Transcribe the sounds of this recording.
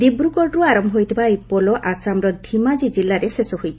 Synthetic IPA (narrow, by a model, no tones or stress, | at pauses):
d̪ibɾukɔɖɾuaɾɔmbʱɔɦojt̪ʰibaipɔlɔʔasamɾɔd̪ʱimad͡ʒid͡ʒilːaɾesesɔɦojt͡ʃʰ